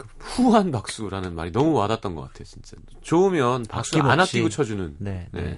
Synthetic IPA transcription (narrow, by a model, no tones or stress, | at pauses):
kɯhuɦanpak̚s͈uɾanɯnma̰ɾinʌmumadat͈ʌnɡʌk͈atʰe̞jot͡ɕint͡ɕ͈a | t͡ɕoumjʌnpaks͈uanaiɡot͡ɕʰʌd͡ʑunɯnn̰ne̞̰